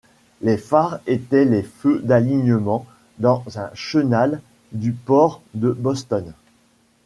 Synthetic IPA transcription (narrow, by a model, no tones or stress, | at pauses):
lefaʁet̪ɛlefød̪aliɲəmɑ̃ | d̪ɑ̃zɛ̃ʃənal | d̪ypɔʁd̪əbɔst̪ɔn